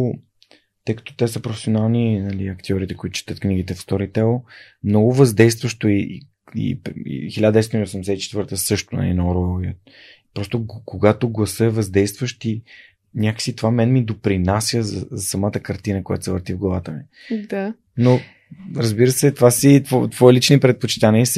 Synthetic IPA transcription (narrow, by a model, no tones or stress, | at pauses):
t̪ɤjkə̥t̪o̥t̪ɛsəpɾofɛ̥sionalˠninɐliɐkt̪iɔɾit̪ɛkoit̪ʊ̥t͡ʃi̥t̪ət̪kniɡit̪ɛfst̪ɔɾit̪ɛlˠ | mnɔɡʊvɐzd̪ɛjst̪vəʃt̪oi | ḭpḭxilʲad̪ɛst̪iniosɛmd̪ɛsɛt̪it͡ʃɛt̪vɤɾt̪əsɤʃt̪onɐ̰lḭnɐɔɾoɛə | pɾɔst̪okoɡat̪oɡlˠɐsəɛvɐzd̪ɛjst̪vəʃt̪i | nʲjakəksit̪ovamɛnmid̪opɾinasjəzɐ̰zɐsɐmat̪əkɐɾt̪inəkoja̰t̪sɛvəɾt̪ivɡlˠɐvat̪əmi | d̪a | no | ɾəzbiɾəsɛt̪ovasit̪vɔt̪vɔilit͡ʃnipɾɛt̪̚pot͡ʃi̥t̪aniəs